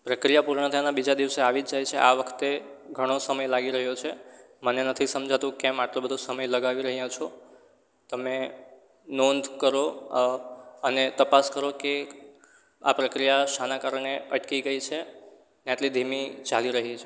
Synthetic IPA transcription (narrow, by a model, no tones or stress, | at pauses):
pɾəkɾijapuɾɳət̪ʰənabid͡ʒad̪iʋseaʋid͡ʒd͡ʒajt͡ʃʰeʔa̰ʋəkʰt̪eɡʱəɽ̃osəməjlaɡiɾəɦjot͡ʃʰe | mənenət̪ʰisəmd͡ʒʱat̪ũkɛmaʈlobəd̪ʱosəməjləɡaʋiɾəɦijãt͡ʃʰo | t̪əme | nond̪ʱkəɾo | ənet̪əpaskəɾoke | a̰pɾəkɾijaʃanakaɾɳeəʈkiɡəit͡ʃʰe | neaʈ̪lid̪ʱimit͡ʃaliɾəɦit͡ʃʰe